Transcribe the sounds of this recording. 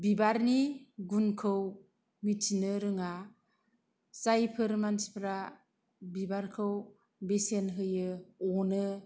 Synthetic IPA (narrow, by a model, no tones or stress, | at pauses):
bibaɾniɡunkʰɯw | mitʰinɯɾɯŋa | sajpʰɯɾmansi̥pʰɾa | bibaɾkʰɯw | besenɦɯjɯɔnɯ